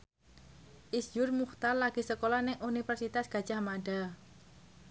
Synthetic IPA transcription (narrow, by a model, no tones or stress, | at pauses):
ʔisd͡ʒʊrmuht̪arlaɡ̥i̤səkolɔnɪŋunifərsit̪asɡ̥a̤̥d͡ʒ̥ahmaɖa